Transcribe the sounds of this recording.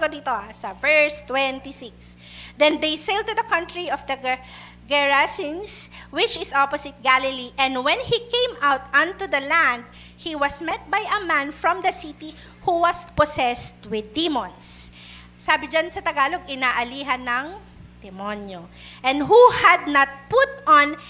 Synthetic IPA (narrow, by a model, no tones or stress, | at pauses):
kod̪iːt̪oʔasɐvɛɹst̪wɛnt̪isiks | d̪ɛ̃nd̪ejsejld̪̚t̪ud̪ɐkɐ̃nt̪ɹiɔvd̪ɐ | ɡɛɹasinswɪt͡ʃɪsɔposɪt̪̚ɡalɪliʔɛ̃nd̪wɛ̃nikẽj̃mawt̪ɐ̃nt̪ud̪ɐlæ̃nd̪̚ | hiwɐsmɛt̪̚bajɐmãnfɹɔ̃md̪ɐsit̪i | huwɐspɔsɛst̪wɪd̪imɔ̃nsː | aːbɪd͡ʒansɐt̪ɐɡaːloɡɪnaːʔɐliːɦɐnːɐŋ | d̪̥ɛmonjo | ʔɛ̃nd̪ɦuhɐd̪̚nɐt̪̚pʊt̪̚ɔ̃n